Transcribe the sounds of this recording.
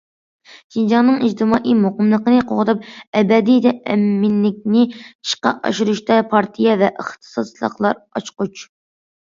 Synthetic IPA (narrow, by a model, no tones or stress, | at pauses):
ʃind͡ʒɑnɨŋid͡ʒt̪ɨmɑːʔimoqəmlˠəqənɨqʰoʁət̪ɨp̚ɛbɛd̪it̪ʰɛɛ̰mːɪnːɪk̚ʲnɪi̥ʃqɑ̰ʔɑ̰ʃuɾuʃt̪ɑpʰɑɾt̪ʰijɛvɛʔəχt̪ʰɨ̥sɑlˠə̰qlˠɑ̰ɾɑt͡ʃqut͡ʃ